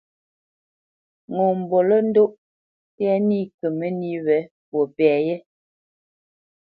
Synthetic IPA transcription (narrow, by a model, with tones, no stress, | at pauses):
ŋɔ˨m̩˨bo˨lə˦n̩˦do˦ʔ | tɛ˦ni˦˨kə˨mə˦ni˦wɛ˨˦ | pɔ˨pɛ˨jɛ˦